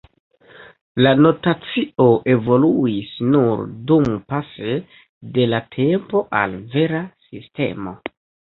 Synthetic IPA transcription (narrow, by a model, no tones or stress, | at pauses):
lano̞tat͡sio̞ʔe̞vo̞luisnuɾdumpase̞ | de̞latʰe̞mpo̞ʔa̰lve̞ɾasiste̞̰mo̞̰